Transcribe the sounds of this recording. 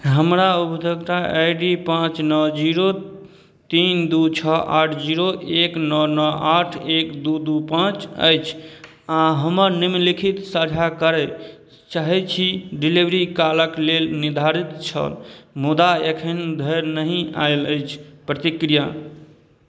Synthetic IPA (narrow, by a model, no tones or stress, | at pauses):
ɦəmɾaupd̪ʱəɡt̪aʔajɖipãt͡ʃnɔd͡ʒiɾo | t̪ind̪ut͡ʃʰɔa̰ʈʰd͡ʒiɾoʔeknɔnɔaʈʰekd̪ud̪upãt͡ʃə̰jt͡ʃʰ | aɦəməɾnimlikʰit̪səd͡ʒʱakəɾɛ | t͡ʃaɦɛt͡ʃʰiɖilibɾikaləklelnid̪ʱaɾit̪t͡ʃʰə̰lmud̪aekʰənd̪ʱəɾnəɦĩa̰eləjt͡ʃʰpɾət̪ikɾija